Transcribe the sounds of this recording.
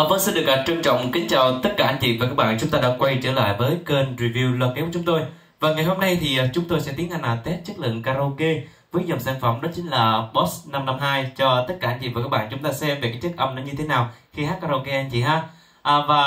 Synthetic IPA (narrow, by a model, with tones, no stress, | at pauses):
və˨˦sɛ˧nɗɨ˨˩ək̚a˨˩p̚t͡ɕə˧ŋt͡ɕɔ̰˧˨wŋ͡mkï˨˦ŋ̟t͡ɕaː˨˩wt̪ə˦˥t̚kaː˧˩ʔa˧nŋt͡ɕḭ˧˨vaː˨˩kaː˦˥k̚ɓaː˧˨nt͡ɕʊ˨˦ŋ͡mt̪aː˧ɗaː˧˥kwa˧jt͡ɕəː˧˩la̰ː˧˨jvəː˨˦jke˧nɹi˧vi˧wlwaː˨˧t̚ke˨˦kʊ˨˦ŋ͡mt̪o˧j | vaː˨˩ŋa˨˩jɦo˧mna˧jt̪ʰi˨˩˨t͡ɕʊ˨˦ŋ͡mt̪o˧jsɛ̰˧˥t̪i˨˦ənha˧˩ŋnʔaː˨˩t̪ɛ˦˥t̚t͡ɕɨ˦˥k̚lɨ̰˧˨əŋkaː˧ɾo˧ke˧ | vəː˨˦jzə˨˩wŋ͡msaː˧˩nfə˧˩wŋ͡mɗɔ˨˦t͡ɕï˨˦ŋ̟laː˨˩ɓɔ˦˥sna˧mna˧mɦaː˧jt͡ɕɔ˧t̪ə˦˥t̚kaː˧ŋt͡ɕḭ˧˨vkaː˦˥ɓa̰ː˧˨t͡ɕʊ˨˦ŋ͡mt̪aː˧sɛ˧mve˨˩kaː˨˦˥jt͡ɕɨ˦˥k̚ʔə˧mɗɔ˨˦ɲɨ˧t̪ʰe˨˦naː˨˩wxi˧haː˦˥t̚kaː˧ɾo˧ke˧ʔa˧nt͡ɕḭ˧˨haː˧ | ʔːvaː˨˩